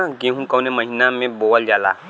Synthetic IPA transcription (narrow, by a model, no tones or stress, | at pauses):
aɡẽɦũkəwnẽməɦinamẽbowəld͡ʒaːla̰